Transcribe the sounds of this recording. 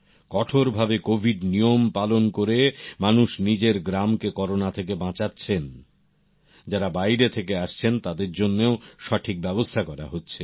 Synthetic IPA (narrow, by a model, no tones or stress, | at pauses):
kɔʈʰoɾbʱabekobʱiɖnijompalonkoɾemanuʃnid͡ʑeɾɡɾamkekɔɾonat̪ʰekebãt͡ɕatːɕʰen | d͡ʑaɾabajɾet̪ʰekeaʃt͡ɕʰent̪ad̪eɾd͡ʑonːeoʃaʈʰik̚bɛbost̪ʰakɔɾa̰ɦotːɕʰe